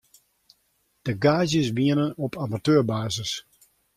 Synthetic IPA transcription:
d̥əɡaːzjəsʋiənənɔpʰamatøːrbaːzəs

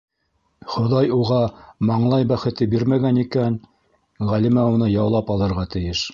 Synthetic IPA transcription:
χŏðɑjuʁɑmɑɴlˠɑjbæχɘ̆t̪ɘbiɾmæɡænikæn | ʁælimæunɤjɑwlˠɑpɑlˠɤ̆ɾʁɑt̪ɘ̆jɘʃ

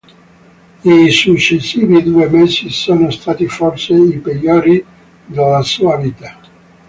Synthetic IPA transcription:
isut͡ʃːesːiːvid̪uːemesisoːnost̪aːt̪iforseipeljoːɾi | d̪alːasuaviːt̪a

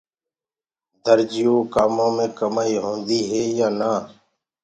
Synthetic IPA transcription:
d̪əɾd͡ʒɪjoːkaːmõːmẽːkəmaːiːɦõːnd̪iːɦeːjaːnaː

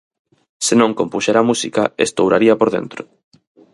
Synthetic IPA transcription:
senõŋkompuʃeɾamusikaḛst̪owɾaɾiɐpoɾðḛnt̪ɾʊ

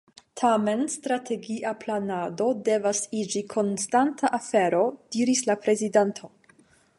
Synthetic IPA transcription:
tʰame̞nstɾatʰe̞ɡiʔaplanado̞de̞vasid͡ʒikʰo̞nstantʰaʔafe̞ɾo̞d̥iɾislapɾe̞zidantʰo̞

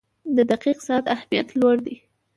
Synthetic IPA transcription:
d̪əd̪aqiqsɑat̪ahmijat̪lwaɽd̪i

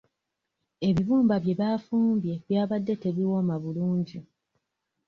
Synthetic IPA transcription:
e̞βiβuːmbaβje̞βaːfuːmbje̞βjaːβadːe̞te̞βiwo̞maβuluːɲɟi

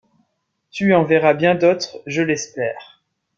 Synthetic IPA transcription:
t̪yɑ̃veʁabjɛ̃d̪ot̪χʒəlɛspɛːʁ

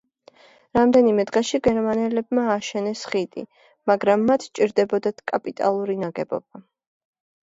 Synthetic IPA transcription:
ɾamd̪ɛnimɛd̪ʁɛʃiɡɛɾmanɛlɛb̚maːʃɛnɛsχit̪ʼḭ | maɡɾamːat̪ʰt͡ʃʼiɾd̪ɛbɔd̪at̪ʰkʼapʼit̪ʼa̰lˠuɾinaɡɛbɔ̰b̚a

